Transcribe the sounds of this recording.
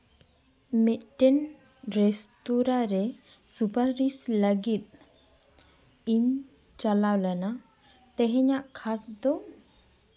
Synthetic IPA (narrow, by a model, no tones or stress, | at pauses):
mɛʈɛn | ɾest̪uɾaɾe | supaɾisləɡit̪̚ | in | t͡ʃalawlana | t̪ɛɦɛɲaʔkʰasd̪ɔ